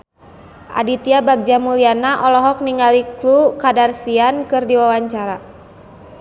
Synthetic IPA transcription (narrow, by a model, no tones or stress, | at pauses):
ʔa̰dit̪iabaɡ̚d͡ʒamulianaʔɔlɔɦɔk̚niŋaliklukadarsiankɨrdiwawaɲt͡ʃaɾa